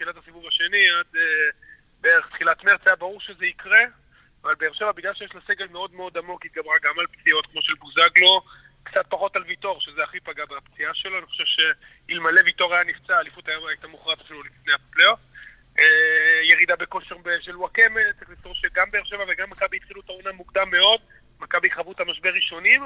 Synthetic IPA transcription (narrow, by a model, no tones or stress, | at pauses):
t̪χilatasivuvaʃe̞niade | beeʁeχt̪χilatmeapt͡siabaʁuʁʃe̞zeikʁe̞ | avalbe̞ːʁʃe̞vabiɡlalʃejeʃlaseɡelmeo̞dmeo̞d̪amo̞kit̚ɡabʁaɡamalpt͡sio̞t̪kmo̞ʃelbuzaɡlo̞ | kt͡sat̚paχo̞talvito̞ʁʃezeaχipaɡabapt͡siaʃeloaniχoʃevʃe̞ | ilmalevito̞ʁajanift͡saːlifut̪ajamajtamuχʁapsilutlifneapleot | eje̞ʁid̪abeko̞ʃeʁbeʃeluwakemet̪ʁiχlisoʃeɡambe̞eːʁʃe̞vaveɡamːakabiːt̪χiluetaunamukd̪amːe̞o̞d̪ | makabiχavutamaʃbeʁːiʃo̞nim